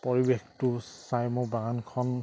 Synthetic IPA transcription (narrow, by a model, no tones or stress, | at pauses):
pɔɹibextʊsajmʊbaɡankʰɔn